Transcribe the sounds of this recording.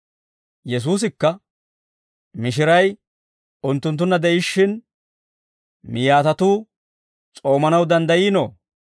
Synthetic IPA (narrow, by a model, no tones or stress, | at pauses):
jɛs̬uːs̬ɪkːɐ | mɪʃ̬ɪɾɐj | ʊnt̪ːʊnt̪̬ːʊnːɐd̪ɛʔɪʃːɪn | mɪjaːt̪ɐt̪uː | t͡sʼo̞ːmɐnɐwd̪ɐnd̪ɐjiːnoː